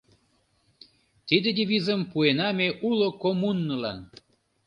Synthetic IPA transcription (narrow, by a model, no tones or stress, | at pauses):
t̪id̪ed̪ʲeβizəmpuenɑmeʔulokomunːəlɑ̰n